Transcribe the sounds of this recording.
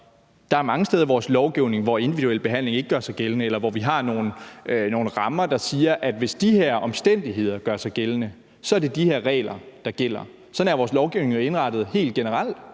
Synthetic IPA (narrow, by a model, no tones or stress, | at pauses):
d̥ɑ̈æɐmɑ̈ŋəsd̥eːð̞ˠɐʋɒːslɒʊɡ̥iʊne̝ŋʋɒe̝ndiʋiduel̰b̥e̝ɦæn̰le̝ŋe̝ɡ̥əɡ̥ɶɐsɑ̈ɪɡ̥elənəelɐʋɒʋiɦɑ̈no̝ːn̩no̝ːn̩ʁɑ̈mɐd̥ɑ̈siːɐʔæd̥ʋe̝sd̥iheɐ̰ʔɒ̽msd̥en̰d̥iɦe̝ð̞̰ˠɐɡ̥ɶɐsɑ̈ɪɡ̥elənə | sɒ̽æɐd̥e̝d̥iheɐ̰ʁɛ̰ːlɐd̥ɑ̈ɡ̥el̰ɐ | sɒ̽næɐʋɒːslɒʊɡ̥iʊne̝ŋjo̝e̝nʁɑ̈d̥ð̞̩ˠhe̝̰ːld̚ɡ̥enəʁɑl̰d̥